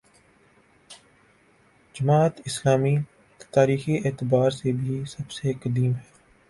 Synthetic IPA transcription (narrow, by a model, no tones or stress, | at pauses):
d͡ʒɐmaːt̪ɪslaːmi | t̪aːɾiːxieːt̪ɪbaːɾsebʱisɐbsekəd̪iːmɦɛː